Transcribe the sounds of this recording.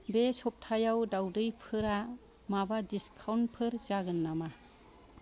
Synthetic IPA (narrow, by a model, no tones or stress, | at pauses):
besɔp̚tʰajawdawdɯjpʰɯɾa | mabadiskʰawnpʰɯɾzaɡɯnːama